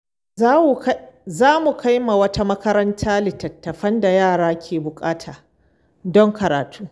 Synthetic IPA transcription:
zaː˦mu˨ka˦jma˨wɐ˦ta˦mɐ˦kɐ˦ɾɐ˦ntʰaː˦lɪ˨tɐ˨tːɐ˨ɸɐ˦nda˨jaː˦˨ɽaː˦kʲʰeː˨bʊ˨kʼaː˦tʰaː˨ | dɔ˦ŋkɐ˨ɾa̰ː˨tʰuː˦

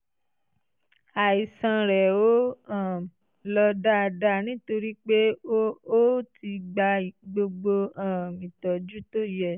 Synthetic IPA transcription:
a˨i˨sã˧ɾɛ˨o˨˦ã˨ | lɔ˧da˦˧da˦nĩ˦to˧ɾi˦k͡pe˦o˦tʰi˧ɡ͡ba˧i˨ɡ͡bo˧ɡ͡bo˧ãː˨mĩ˨tɔ˨d͡ʒu˦to˦˨jɛ˦˨

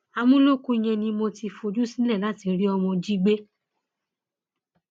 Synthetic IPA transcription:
a˧mũ˦lo˦kũ˦i˧j̃ɛ̃˧nĩ˧mo˧ti˧fo˧d͡ʒu˦sĩ˦lɛ˦˨la˦ti˨˧˦ɾi˦ɔ˧mɔ̃˧d͡ʒi˦ɡ͡be˦

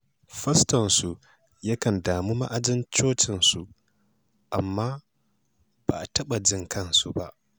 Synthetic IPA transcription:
ɸɐ˦stɐ˨nsu˨ | jɐ˦kɐ˨ndaː˨mu˦ma̰˦ʔa˨d͡ʒɪ˦nt͡ʃoː˦t͡ʃɪ˨nsu˨ | ʔa˨mːaː˦ | b̥a˨tɐ˦ɓa˨d͡ʒɪ˦ŋkʰɐ˦nsu˨ba˦ʔ

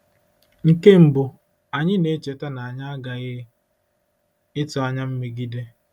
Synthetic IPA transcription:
ŋ̩˨ke˦m̩˨bʊ˨ | a˨ɲɪ˦ne˦t͡ʃe˨ta˦na˨a˨ɲa˦a˦ɡa˨ɣɪ˦ | ɪ˦tʊ˨˦a˨ɲa˦m̩˦me˨ɡi˦de˦

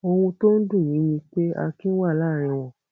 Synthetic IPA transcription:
o˧wũ˧to˦n̩˦dũ˦˨nĩ˨˦nĩ˧k͡pe˦a̰˧kĩ˦wa˦˨la˦˨ɾ̃ĩ˧w̃ɔ̃˨

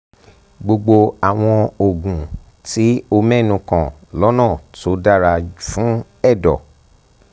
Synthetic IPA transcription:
ɡ͡bo˧ɡ͡bo˧a˨w̃ɔ̃˧o˨ɡũ˨ | ti˨˦o˧mɛ˦˨nũ˧kã̰˨ | lɔ˨˦nãː˦˨to˨˦da˦ɾa˧fũ˨˦ | ɛ˦˨dɔ̰˨

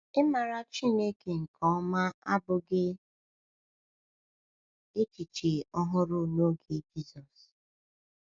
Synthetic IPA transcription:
ɪ˦ma˨ɾa˦t͡ʃi˦ne˦ke˨ŋ̩˨kʰɔ˨˦ma˦a˦bʊ˨ɡɪ˦ | e˦t͡ʃi˨t͡ʃe˨ɔ˦ɦʊ˦ɾʊ˦no˦ɡe˨d͡ʒi˦zɔ˨s

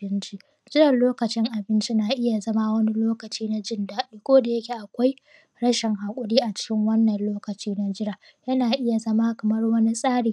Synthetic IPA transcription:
ɪ˦nt͡ʃi˦ | d͡ʒɪ˦ɾɐ˨loː˦kɐ˨t͡ʃɪ˦ŋʔa˨bɪ˦nt͡ʃi˦naː˨ʔɪ˦ja˨zɐ˦ma˦wɐ˦ni˦loː˦kɐ˨t͡ʃiː˦na˦d͡ʒɪ˦ndaː˨ɗiː˦kʷoː˦da˨jɐ˦kʲe˨ʔa˨kʷa˦j | ɽɐ˦ʃɪ˨ŋɦaː˨kʷʼʊ˦ɽiː˦ʔa˨t͡ʃɪ̥˦kʲɪ˦ŋwɐ˦nːɐ˨nloː˦kɐ˨t͡ʃiː˦na˦d͡ʒɪ˦ɽa˨ | jɐ˦naː˨ʔɪ˦ja˨zɐ˦ma˦kɐ˨mɐ˦rwɐ˦ni˦sʼaː˦ɽiː˨

